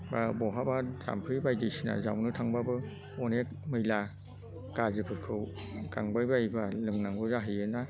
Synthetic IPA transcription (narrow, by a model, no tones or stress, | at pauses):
babɔɦabaza̰mpʰɯjbajdijsina̰za̰wnɯtʰaŋbabɯ | ɔnek̚mɯjla | ɡ̥azɯpʰɯkʰɯwka̰ŋbajbajbalɯŋnaŋbɯzaɦɯjɯna